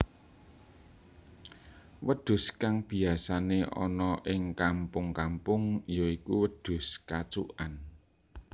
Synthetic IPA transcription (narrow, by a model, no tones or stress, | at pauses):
wəɖ̪̥ʊ̤skaŋb̥i̤asaneʔɔ̰nɔʔɪŋkampʊŋkampʊŋjɔikuwəɖ̪̥ʊ̤skat͡ʃṵʔan